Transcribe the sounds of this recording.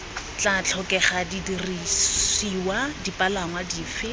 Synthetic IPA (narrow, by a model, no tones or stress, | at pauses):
t͡ɬat͡ɬʰɔkɛχadidirisiwadipʼalaŋwadiːfɪ